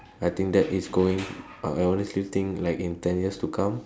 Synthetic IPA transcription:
ajt̪ĩŋk̚d̪ɛtisɡoɪ̃ŋ | a̰ajɔnəslit̪ĩŋlaɪkĩnt̪ɛ̃njiəstukʰãm

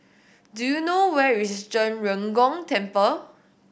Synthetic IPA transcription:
dujunowɛɹisd͡ʒə̃nɹə̃ŋɡɔ̃ŋtɛ̃mpə

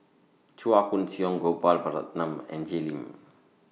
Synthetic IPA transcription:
t͡ʃuakunsiɔŋɡopalbaɾa̰t̪̚namɛ̰nd͡ʒelim

